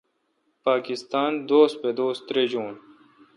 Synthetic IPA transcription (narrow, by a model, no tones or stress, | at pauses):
paːkist̪aːnd̪oːst̪̚ped̪oːsɾeːd͡ʑuːn